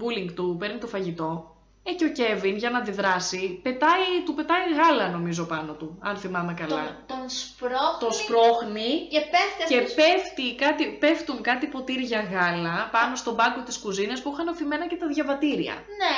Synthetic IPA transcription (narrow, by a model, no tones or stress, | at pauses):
buliŋɡt̪upe̞ɾnit̪o̞fɐʝit̪o̞ | eceo̞ce̞vinʝɐnɐðiðɾɐsipe̞t̪ɐjt̪upe̞t̪ɐjɣɐlɐno̞mizo̞pɐno̞t̪uɐnθimɐme̞kɐlɐt̪onspɾoxt̪ospɾo̞xniepeft̪espeft̪ikɐt̪ipe̞ft̪uŋkɐt̪ipo̞t̪iɾʝɐɣɐlɐpɐno̞st̪o̞bɐko̞t̪iskuzinɐspuixɐnɐfime̞nɐce̞t̪ɐðʝɐvɐt̪iɾiɐ̰ | ne